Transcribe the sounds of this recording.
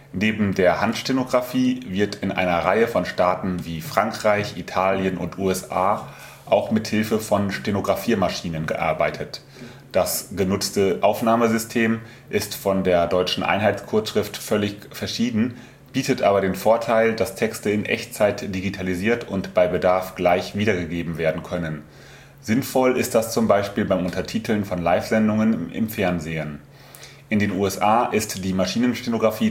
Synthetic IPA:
neːbm̩deːɐhantʃtenoɡʁafiːvɪɐtʰɪnʔa̰ɪnɐʁaɪəfɔnʃtaːtn̩viːfʁ̥aŋkʁ̥aɪçitʰaːljənʊ̰ntʔuːɛsaː | ʔaʊxmɪthɪlfəfɔnʃtenoɡʁafiːmaʃiːnənɡəʔa̰ɐbaɪtʰət | d̥asɡ̥ənʊt͡stəʔaʊfnaːməzʏstʰeːm | ʔɪstfɔndeːɐdɔʏt͡ʃn̩ʔa̰ɪnɦaɪtskʰʊɐʃʁ̥ɪftfœlɪçfɛɐʃiːdn̩ | b̥iːtətʔaːbɐɾeːnfoːɐtʰaɪldastʰɛkstəɪnʔɛ̰çt͡saɪtd̥iɡitʰaliziːɐtʰʊntb̥aɪbədaɐfɡ̥laɪçv̥iːdɐɡəɡeːbm̩veːɐdn̩kʰœnən | zɪnfɔlɪst̚d̥ast͡sʊmbaɪʃpiːlbaɪmʔʊntɐtʰiːtʰl̩nfɔnlaɪfz̥ɛndʊŋənʔɪ̰mfɛɐnzeːən | ʔɪndeːnuːɛsʔaːʔɪstd̥iːmaʃiːnənʃtenoɡʁafiː

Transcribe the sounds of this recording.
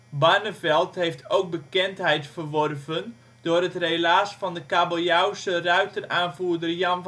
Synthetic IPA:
barnəvɛlˠtɦejftʰowk̚bəkɛntɦɛjtfərʋɔrvən | d̥ʊːrətrelaːsfɑndəkaboljawsərœɥtəraːnvuːrdərjɑn

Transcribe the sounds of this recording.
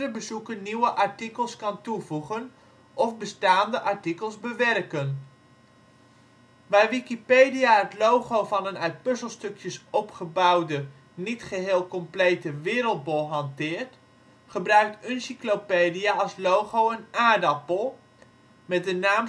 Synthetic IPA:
rəbəzukəniwəʔɑɹtikəlˠskɑntuvuχən | ʔɔfbəstaːndəʔɑɹtikəlˠzbəʋɛrkən | ʋajʋikipejdijaɦətlowχowvɑnənœɥt̚pøsəlˠstɵkjəsɔpχəbɑwdə | nitχəɦeːlˠkɔmplejtəʋɪːɾəlˠt̚bolˠɦɑntɪːɹt | χəbrœɥk̚tʏnsiklopejdiaɑlˠslowχowənaːdapolˠ | mɛt̚dənaːm

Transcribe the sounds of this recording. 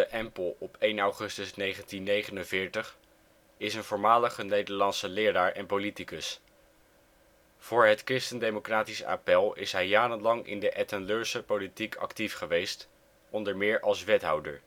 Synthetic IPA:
dəʔɛmpəlˠɔpejnɑwχɵstəsnejχəntinːejχənənvɪːɹtəχ | ɪsənvʊːɹmaːləχənejdəɹlɑntsəlɪːɹaːɹʔɛnpolitikəs | v̥ʊːɹɦətkrɪstəndejmokraːtisa̰ːpɛlˠɪ̰sɦɛjːaːɾənlɑŋʔɪ̰ndəʔɛtɛnløːɹsəpolitikʰɑ̰ktifχəʋejst | ʔɔndəɹmɪːɹʔɑlˠsʋɛtɦɑwdəɹ

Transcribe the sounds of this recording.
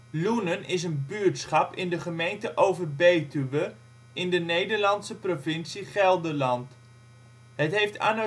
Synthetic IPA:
lunənɪsənbyɹtsχɑpɪndəχəmejntəʔowvəɹbejtyʋə | ɪndənejdəɹlɑntsəprovɪnsiχɛlˠdəɹlɑnt | ɦətɦejfta̰na

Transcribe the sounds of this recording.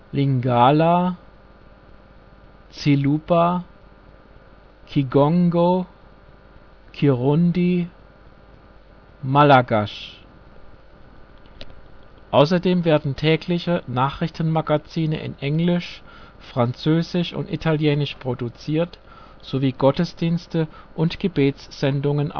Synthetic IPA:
liŋɡaːla | t͡siluːpa | kʰiɡɔŋɡo | kʰiʁʊndi | malaɡaʃ | ʔaʊs̬ɐdeːmveːɐdn̩tʰɛːklɪçənaːχʁ̥ɪçtn̩maɡat͡siːnə̰ʔɪ̰nʔɛŋlɪʃ | fʁ̥ant͡søːzɪʃʊ̰ntḭtʰaljɛːnɪʃpʁ̥odut͡siːɐt | z̥oviːɡɔtəsd̥iːnstə | ʔʊntɡ̥əbeːt͡sz̥ɛndʊŋənʔ

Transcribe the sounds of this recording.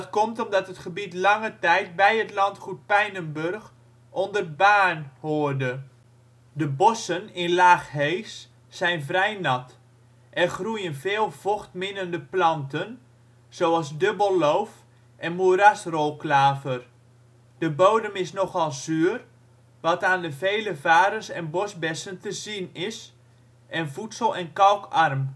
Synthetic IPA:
dtkɔmtɔmdɑtətχəbitlɑŋətɛjt̚bɛjətlɑntχut̚pɛjnənbørx | ʔɔndərbaːnhoːərdə | dəbɔsənɪnlaːχɦejsː | ɛjnvrɛjnɑt | ʔɛrχrujənvɪːlˠv̥oχtmɪnəndəplɑntən | z̥owɑlˠzdøbəlˠlowf | ʔɛnmuɾasrolˠklaːvər | d̥əbowdəmɪsnɔχɑlˠzyːr | ʋɑtaːndəveːləvaːɾənsɛ̰nbɔsbɛsəntəzinɪs | ʔɛnvutsəlˠɛnkawkʰɑrm

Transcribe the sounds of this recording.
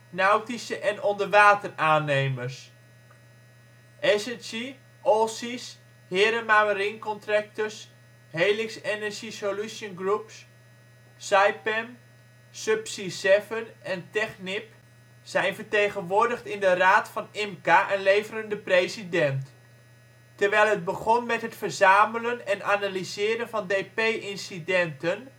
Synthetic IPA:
nawtisəʔɛnɔndəɹʋaːtəraːnejmərs | ʔɛsɛnsi | ʔɔsis | hɪːɾəmaməɾinkɔntrak̚təɹs | hejlɪksenəɹʒisoluʃənɡrups | sajpɛm | sɵpsisɛfənɛntɛχnɪp | sɛjnvəɹtejχənʋʊːɹdəχtɪndəraːtfɑnɪmkaʔənlejvərəndəprejzidɛnt | təɹʋɛjlˠɦəd̚bəχɔnmɛtɦətfəɹzaːmələnɛnanalizɪːɾənvɑndejpejʔɪnsidɛntən

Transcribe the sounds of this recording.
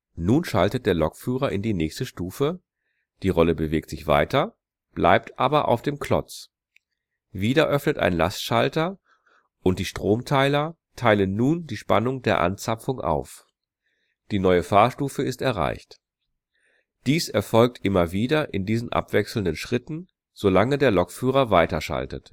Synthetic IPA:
nuːnʃaltət̚d̥eːɐlɔkfyːʁɐʔɪndiːnɛːçstəʃtuːfə | d̥iːʁɔləbəveːktz̥ɪçv̥a̰ɪtɐ | b̥lʔa̰ɪp̚tʰʔaːbɐʔa̰ʊfd̥eːmklɔ̰t͡s | viːdɐʔœfnətʔa̰ɪnla̰stʃaltɐ | ʔʊntd̥iːʃtʁ̥oːmtʰaɪlɐ | tʰaɪlənːuːndiːʃpa̰nʊŋdeːɐʔa̰nt͡sapp͡fʊŋʔa̰ʊf | d̥iːnɔʏəfaːɐʃtuːfəɪstɛɐʁa̰ɪçt | d̥iːsɛɐfɔlk̚tʔɪmɐviːdɐʔɪndiːzn̩ʔa̰pv̥ɛksl̩ndənʃʁ̥ɪtn̩ | z̥olaŋədeːɐlɔkfyːʁɐvaɪtɐʃa̰ltə̰t

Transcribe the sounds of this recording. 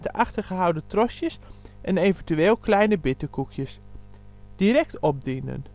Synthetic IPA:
təʔaχtəɹχəɦʌwdətrɔsjəsʔɛnevəntyeːlˠklɛjnəbɪtəkukʰjəs | d̥iɾɛk̚tɔb̚dinə̰n

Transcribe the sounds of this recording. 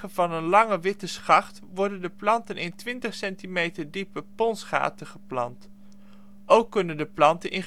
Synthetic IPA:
ənvɑnənlɑŋəʋɪtəsχɑχt | ʋɔɹdəndəplɑntənʔɪntʋɪntəχsɛntimejtəɹdipəpɔnsχa̰ːtəχəplɑ̰nt | owkːɵnəndəplɑntənʔɪn

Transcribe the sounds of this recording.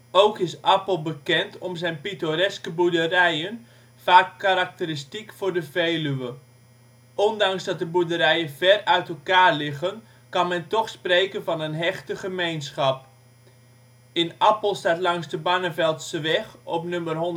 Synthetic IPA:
owkɪsʔɑpəlˠbəkɛntʰɔmzɛjnpitoɾɛskəbudərɛjən | faːkːaɾak̚təɾistikfʊrdəvejlyʋə | ʔɔndɑŋsdɑt̚dəbudəɾɛjəvɛrœɥtəlˠkaːrlɪɣən | kɑnmɛntɔxspreːkənvɑnənɦɛxtəχəmejnsχɑp̚ | ɪnɑpəl̩ˠstaːtlɑŋsdəbanəvɛlˠtsəʋɛxɔpnømərɦɔn

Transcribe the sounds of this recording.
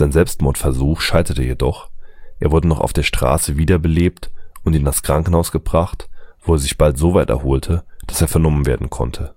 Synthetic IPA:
z̥aɪnzɛlpstmɔɐtfɛɐzuːxʃaɪtɐtəjedɔχʔeːɐvʊɐdənɔχa̰ʊfd̥eːɐʃtʁ̥a̰ːsəviːdɐbəleːptʊntindaskʁ̥aŋkn̩haʊsɡ̥əbʁaχtv̥oːeːɐzɪçb̥altz̥oːvaɪtɛ̰ɐhoːltʰəd̥ḁseːɐfɛɐnɔmənvḛːɐdn̩kʰɔ̰ntʰə

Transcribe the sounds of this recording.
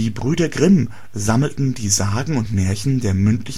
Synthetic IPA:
iːbʁyːdɐɡʁɪm | zaml̩tn̩diːzaːɡŋ̩ʊntmɛɐçn̩deːɐmʏntʰlɪç

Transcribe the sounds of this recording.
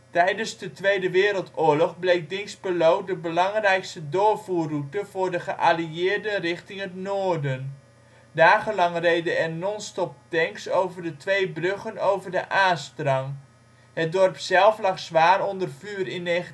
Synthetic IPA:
tɛjdənzdətʋejdəʋɪːɾəlˠtʊːɹlɔχblejk̚dɪŋsbəlowdəbəlɑŋrɛjkstədʊːɹvuːrutəv̥ʊːɹdəχəʔaliɪːrdərɪχtɪŋɦətnoːdən | daːχənlɑŋrejdəɛrnɔnstɔp̚tɛŋksowvərdətʋejbrøχənowvərdəʔaːstrɑŋ | ɦət̚dɔrpsɛlˠflɑχsʋaːrɔndərv̥yːɾɪnːejə

